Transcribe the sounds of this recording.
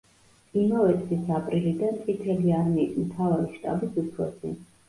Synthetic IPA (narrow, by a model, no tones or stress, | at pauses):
imavɛt̪ʰʼisapʼɾilid̪ant̪sʼit̪ʰɛliaɾmimt̪ʰavaɾiʃt̪ʼa̰bisupʰɾɔ̰sḭ